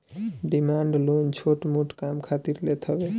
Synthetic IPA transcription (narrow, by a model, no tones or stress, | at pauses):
ɖimaɳɖlont͡ʃʰoʈmuʈkamkʰat̪iɾlet̪ʰəbe